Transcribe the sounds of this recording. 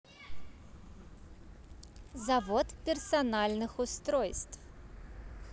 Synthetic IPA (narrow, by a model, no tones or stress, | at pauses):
zavɔt̪pʲɛrsanalʲnɨxʊst̪ɾɔjst̪f